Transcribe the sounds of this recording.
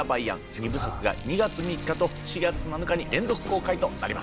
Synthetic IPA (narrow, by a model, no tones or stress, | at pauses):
abaiã̰ŋɲibɯ̟sakɯ̟ɡa̰ɲ̟iɡat͡sɨmʲikːat̪o̞ɕiɡat͡sɨnanokaɲ̟iɾẽ̞nd͡zo̞kɯ̟̥ko̞ːkait̪o̞na̰ɾima̰s